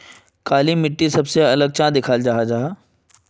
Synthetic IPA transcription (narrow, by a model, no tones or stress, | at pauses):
kaːlimɪʈːisɐbseɐləɡ̚t͡ʃãːd̪ɪkʰaːld͡ʒaɦad͡ʒaːɦaː